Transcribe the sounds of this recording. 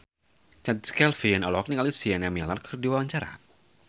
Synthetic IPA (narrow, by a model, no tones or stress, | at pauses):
t͡ʃat̪̚skɛlfianɔlɔɔk̚nikalisianjamilarkʰərdiwawaɲt͡ʃaɾa̰